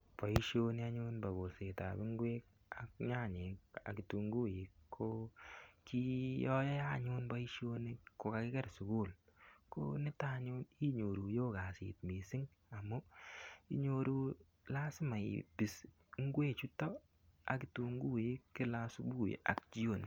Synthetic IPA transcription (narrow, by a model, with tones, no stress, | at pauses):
pɔ˨i˦ʃjo˦ni˦a˦ɲʊ˦nba˨ɡo˨lse˨ta̰˨bɪ˦ŋɡwe˦k | a˨k̚ɲa˦˨ɲe˨a̰˨kɪ˨tu˨ŋɡu˦ji˦kʰːo˦ki˦jɔ˦jɛ˦ja˦˨ɲʊ˦nbɔ˦i˦ʃio˦ni˦ko˨ka˨kɪ˦ɡɛ˦ɾsʊ˨ɡu˦˨lko̰˦nɪ˦ta˦ɲo˦ni˦ɲo˨ɾu˨joː˦ɡa˨sḭ˨tmi˨sɪ˦ŋ | a˨mʊ˦i˦ɲo˨ɾu˦ | la˦sɪ˦ma˨ḭ˨bi˨s | ŋ˦ɡweː˦t͡ʃu˦tɔ˦ | a̰˨kɪ˦tu˨ŋɡu˦ji˦kːɪ˦la˦su˦bu˦j̰a̰˨k̚t͡ʃi˦o˦˨n